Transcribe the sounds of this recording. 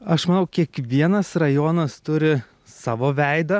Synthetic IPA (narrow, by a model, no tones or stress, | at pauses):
ɐʃmɐnɐʊkʲiɛkʋʲiɛnɐsrɐjoːnɐst̪ʊɾʲɪ | sɑːʋoːʋʲæɪd̪ɐ